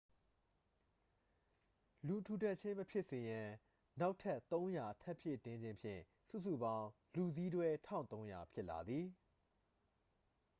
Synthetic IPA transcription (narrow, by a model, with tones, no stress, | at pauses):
lu˨tʰu˨tɛ˦˨ʔt͡ɕʰɪ̃˦məpʰjɪ˦ʔsɪ˨jã˨ | na˦ʊtʰɛ˦ʔt̪õ˦ʊ̃ja˨tʰɛ˦pʰjɪ˦˨tɪ̃˦ɲd͡ʑɪ̃˦mpʰjɪ̰̃˦˨ | sṵ˦˨sṵ˦˨bã˦ʊ̃ | lu˨zi˦dwɛ˦tʰã˦˨t̪õ˦ʊ̃ja̰˨pʰjɪ˦ʔla̰˨d̪ði˨